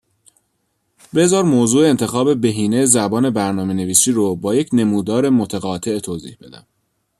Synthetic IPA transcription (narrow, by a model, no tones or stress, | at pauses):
be̞zɒːɾmoːzuːeent̪ʰe̞xɒːbe̞be̞ɦiːnejzæbɒːne̞bæɾnɒːme̞ne̞viːsiːɾobɒːjecʰne̞muːd̪ɒːɾe̞mo̞t̪ʰæɣɒːt̪ʰe̞ʔt̪ʰoːzḭːhbe̞d̪æ̰m